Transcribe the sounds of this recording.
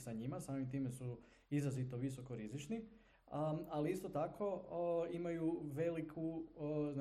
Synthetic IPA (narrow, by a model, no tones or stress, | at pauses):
saɲimasaːmimt̪iːme̞su | izɾazit̪oʋiso̞ko̞ɾizit͡ʃni | aliist̪ot̪akʰo̞imajuʋe̞likʰuzn